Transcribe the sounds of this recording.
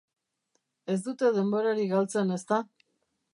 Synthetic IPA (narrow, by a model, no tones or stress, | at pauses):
e̞zd̪ut̪e̞ðe̞mbo̞ɾaɾiɣalt͡se̞ne̞st̪a